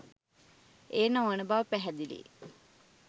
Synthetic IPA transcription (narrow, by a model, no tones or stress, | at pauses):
eːnaŋənəbaʋəpæɦɛd̪ilḭ